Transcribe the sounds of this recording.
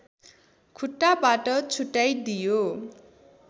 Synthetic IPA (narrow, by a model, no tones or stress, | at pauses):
kʰuʈːabaʈʌt͡sʰuʈːajd̪ijo